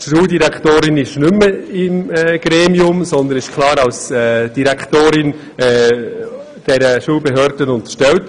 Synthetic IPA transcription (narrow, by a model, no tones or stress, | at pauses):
ʃuːldiɾæktoːɾɪnɪʃnʏmːəɪmːɡ̥ɾɛːmiʊmsɔnd̪ənɪʃkʰlɑːɾɑwsɛd̥iɾækʰtoːɾɪn | ɛː | d̥ɛɾəʃuːlbɛɦøːɾd̥ənʊnt̪ə̥ɾʃtɛlt